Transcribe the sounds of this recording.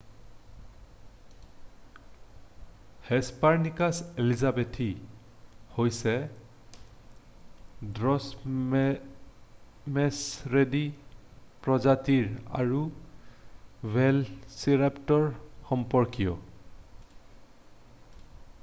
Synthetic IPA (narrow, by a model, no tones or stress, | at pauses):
hɛspaɹnikaselizabetʰi | hojsɛ | dɹɔs | mɛsɹedi | pɹɔzatiɹa̰ɹu | wɛlsiɹaptɔɹxɔmpɔɹkijɔ̰